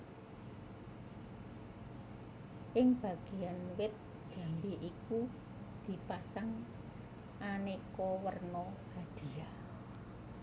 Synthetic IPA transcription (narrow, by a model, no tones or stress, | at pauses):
ʔɪŋb̥ä̤ɡ̥e̤janwɪt̪̚ | d̥ʒ̥a̤mbeʔiku | d̪̥i̤pasaŋ | ʔanekɔwərnɔhad̪̥i̤a